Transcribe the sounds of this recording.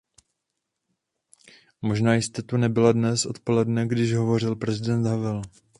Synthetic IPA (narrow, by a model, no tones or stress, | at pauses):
mo̞ʒnaːjɪst̪ɛt̪unɛbɪladnɛsʔo̞̰t̪po̞lɛdnɛɡdɪʒɦo̞vo̞r̝ɪlpɾɛzɪdɛnt̪ɦavɛl